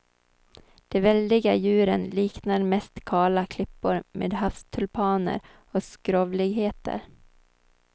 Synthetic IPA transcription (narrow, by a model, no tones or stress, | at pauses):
d̪̥ɛvɛld̪ɪɡajʉ̟ːɾənliːknaɾmɛst̪kʰɑːlakʰlɪpːʊɾmḛːd̪ɦafst̪ʰɵlpʰɑːnə̰ɾ | ɔskɾoːvlɪɡɦeːt̪ə̰ɾ